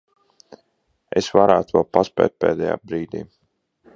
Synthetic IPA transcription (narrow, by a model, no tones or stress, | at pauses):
esvaɾaːt̪uvɛlˠpaspɛ̰ːt̪̚pḛːd̪ɛja̰ːbɾiːd̪ḭː